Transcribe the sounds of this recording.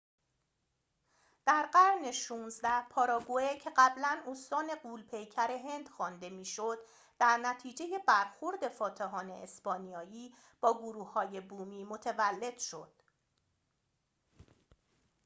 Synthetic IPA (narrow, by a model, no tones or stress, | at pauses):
d̪̥æɾɢæɾne̞ʃuːnzd̪æhpʰɒːɾɒːɡuecʰe̞ɢæblænost̪ɒːne̞ɢuːlpʰe̞jcʰæɾe̞ɦe̞nd̪̥xɒːnd̪e̞miːʃo̞d̪̥ː | æɾnæt̪ʰiːd͡ʒe̞je̞bæɾxo̞ɾd̪e̞fɒːt̪ʰeɦɒːne̞̰ʔesbɒːnijɒːjiː | b̥ɒːɡoɾuːhhɒːje̞buːmiːmo̞t̪ʰevælːe̞d̪̥ʃo̞̰d̪̥̚